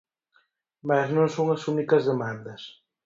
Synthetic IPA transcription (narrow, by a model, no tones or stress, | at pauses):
maznõŋsõŋɐsunikɐzðemãnd̪ɐs